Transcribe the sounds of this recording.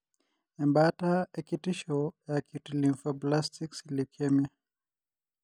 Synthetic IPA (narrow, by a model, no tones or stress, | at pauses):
ɛmbataɛkitiʃɔjakʰutiliɱfaplastiksilikʰɛma